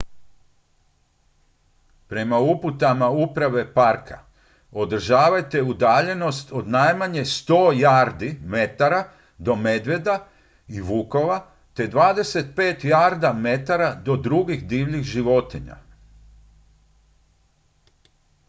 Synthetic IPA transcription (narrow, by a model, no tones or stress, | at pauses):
pɾe̞mauput̪amaupɾaʋe̞paɾkʰa̰ | o̞d̪r̩ʒaːʋajt̪e̞ud̪aːʎe̞no̞st̪o̞d̪najmaɲe̞st̪o̞ːjaːɾd̪ime̞t̪aɾa | d̪o̞me̞d̪ʋe̞d̪a | iʋuːko̞ʋa | t̪e̞d̪ʋaːd̪e̞se̞t̪̚pe̞ːt̪jaːɾd̪ame̞t̪aɾad̪o̞d̪ɾuɡixd̪iːʋlʎiɣʒiʋo̞t̪iɲa̰